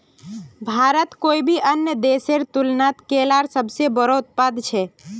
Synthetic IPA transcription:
bʱaɾət̪koibʱiʔənjəd̪eseɾt̪ulnat̪kelaɾsəbʱsebəɾɔʊt̪̚pad̪t͡ʃʰɛ

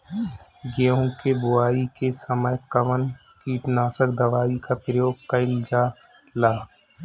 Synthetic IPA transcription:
ɡeːũkebʊaːikesəməjkɐʋən | kiːʈnaːsəkd̪ɐʋaːikapɾəjoːɡ̚kɐɪld͡ʒaː | laː

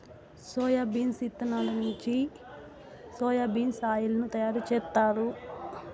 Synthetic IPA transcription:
sɔːjabiːnsit̪ːɐnaːlɐnuɲt͡ʃi | sɔːjaːbiːnsaːjulɐnut̪ɐjaːɾut͡ʃɛːt̪ːaːɾu

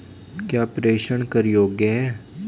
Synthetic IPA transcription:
kjaːpɾeːʃəɳkəɾjoːɡjəɦɛː

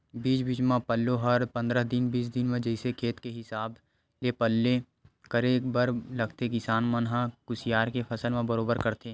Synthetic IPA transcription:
biːt͡ʃbit͡ʃmãpəlːoɦɐɾpɐ̃nd̪ɾəɦd̪ɪnbiːsd̪ɪnmẽd͡ʒəɪsekʰeːt̪keɦɪsaːb | lepəlːẽ | kəɾeːkbəɾlɐɡt̪ekɪsaːnmənɦãkʊsɪjaːɾkepʰɐsəlmẽbəɾoːbəɾkɐɾt̪eː

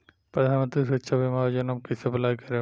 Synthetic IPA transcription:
pɾɐd̪ʱaːnmə̃nt̪ɾisɾɐt̪ːʃʰabimad͡ʒɐnɐmkisɐplaːjkɐɾe

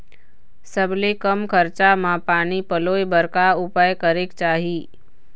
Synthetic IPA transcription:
səblekəmkʰəɾt͡ʃamãpaːnipəloːjbəɾkaʊpajkəɾekt͡ʃaːɦiː

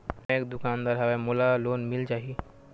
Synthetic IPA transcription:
m̃ekd̪ukand̪aɾɦaʋɛmolalonmilt͡ʃaɦi

